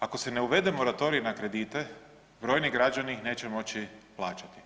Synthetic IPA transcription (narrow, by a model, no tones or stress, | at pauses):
ako̞se̞ne̞uʋe̞d̪emo̞ɾat̪o̞ɾijunakɾe̞d̪iːt̪e̞ | bɾo̞ːjniɡɾad͡ʒaniixne̞ːt͡ʃemo̞t͡ɕiplˠaːt͡ʃat̪i̥